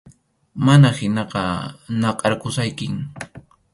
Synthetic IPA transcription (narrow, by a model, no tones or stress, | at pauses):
manahɪnɑqɑnɑqʼɑɾkʊsajkɪŋ